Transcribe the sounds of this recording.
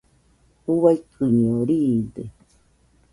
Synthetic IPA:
uβajkʰɨɲĩoɾiːnd̪e

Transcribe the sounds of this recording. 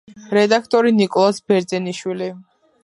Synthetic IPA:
ɾɛd̪akʰt̪ʼɔɾinikʼɔlˠasbɛɾd̪zɛniʃwili

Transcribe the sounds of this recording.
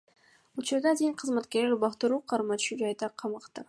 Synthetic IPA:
ut͡ʃuɾd̪ɑd̪eŋqʰɯzmat̪kʲeɾleɾbɑqt̪ɨɾuːqʰɑɾmɑt̪ʃud͡ʒɑjd̪ɑqʰɑmɑqt̪ɑ

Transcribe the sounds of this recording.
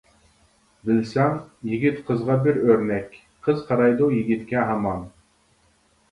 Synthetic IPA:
bɪlsɑŋjiɡʲit̪qʰəzʁɑbɪɾøɾnɛkʲ | qʰəzqʰɑɾɑjd̪ujiɡʲit̪kʲɛɦɑmɑn

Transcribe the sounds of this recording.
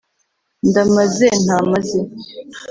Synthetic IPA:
ndamazen̥haːmaze

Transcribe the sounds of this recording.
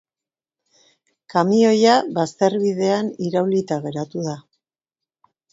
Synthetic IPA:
kamio̞jaβast̪e̞ɾβið̞e̞aniɾawlit̪aɣe̞ɾat̪uða

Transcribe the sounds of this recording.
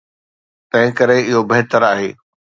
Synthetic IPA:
t̪ɐ̃ɦɪ̃kɐɾeɪɦobɐɦt̪əɾaːɦeː

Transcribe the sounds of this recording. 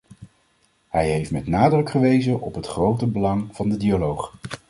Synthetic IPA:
hɛjɦejftmɛtnaːdrɵkχəʋejzənʔɔpɦətχrowtəbəlɑŋv̥ɑndədialowχ

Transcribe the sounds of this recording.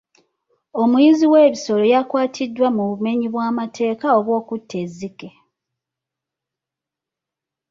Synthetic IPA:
o̞mujiziweːβiso̞lo̞jakwaːtʰidːwamuβume̞ɲiβwaːmatʰe̞ːkaoβwo̞ːkutʰːe̞zːike

